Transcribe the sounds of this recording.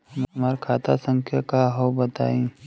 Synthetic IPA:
əmmaːɾkʰaːt̪asə̃ŋkʰjakaɦowbət̪a̰ːĩː

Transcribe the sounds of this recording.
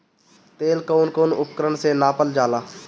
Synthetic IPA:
t̪eːlkoːnkoːnʊpkəɾəɳsenaːpəld͡ʒaːlaː

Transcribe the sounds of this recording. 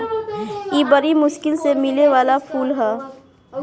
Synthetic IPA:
jiːbɐɾimʊʃkɪlsemɪleʋaːlapʰuːlɦɛː

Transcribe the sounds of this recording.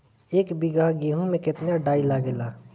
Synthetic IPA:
eːkbiɡaɡiɦũmẽkɪt̪naɖaːilaɡela

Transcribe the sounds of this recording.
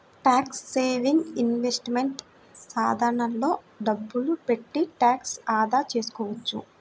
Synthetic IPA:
ʈaːksːeːʋiŋɡinʋesʈmeɳʈ | saːd̪ʱɐɾɐɳɐnlo̞ː | ɖɐbːulupe̞ʈːiʈaːksaːd̪aːt͡ʃe̞ːsu̥kɔːʋɐt͡ʃːṵ

